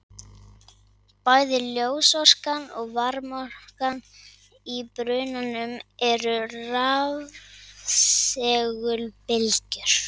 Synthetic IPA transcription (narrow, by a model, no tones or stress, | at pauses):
paːjðɪljoːwsɔr̥kanɔɣvaɾmɔrkan | ipɾœːɥnanʏmɛɾʏrav | ssɛːɣʏlpɪlcʏɾ̥